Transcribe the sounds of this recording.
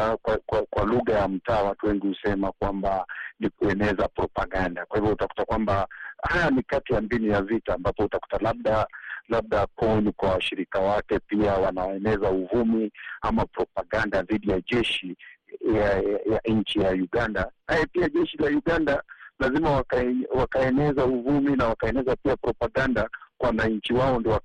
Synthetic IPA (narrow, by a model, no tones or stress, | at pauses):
kwakwakwaluɣajam̩taːwatuwɛŋɡihusɛmakwambanikuɛnɛzapɾɔpaɠandakwahivjɔutaku̥takwambahajanikatijambinijavitaːmbapɔutaku̥talaɓ̚ɗalaɓ̚ɗapʰɔnikwawaʃiɾikawakɛpiawanawaɛnɛzauvumiamapɾɔpaɠandaðiɗijaʄɛʃijajaɲ̩t͡ʃijajuɡandaajɛpiaʄɛʃilajuɠandalazimawakawakaɛnɛzauvuminawakaɛnɛzapiapɾɔpaɠandakwawanaɲ̩t͡ʃiwaɔndiɔwa